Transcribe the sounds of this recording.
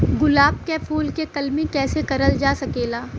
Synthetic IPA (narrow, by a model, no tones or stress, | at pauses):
ɡʊlaːb̚kefʰuːlkekɐlmikɛːsekɐɾəld͡ʒaːsɐkeːlaː